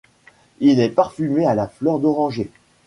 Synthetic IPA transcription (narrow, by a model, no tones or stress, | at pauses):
ilɛpaʁfymealaflœʁd̪ɔʁɑ̃ʒe